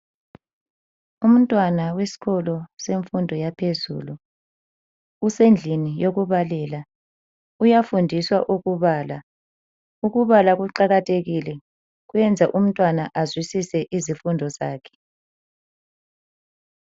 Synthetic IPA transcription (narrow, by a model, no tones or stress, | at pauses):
um̩tʼwanawesi̥ɣɔlɔseɱfundʱɔjapʰezṵːlu | send͡ɮʱinijoɣuβalɛla | ujafundʱiswaʔuɣuβaːla | uɣuβalaɣuǃaɣatʰʼeɣilɛ | ɣujɛnd͡zʱaʔum̩tʼwanaʔazwisisɛʔizifundʱɔzaːkʰɛ̥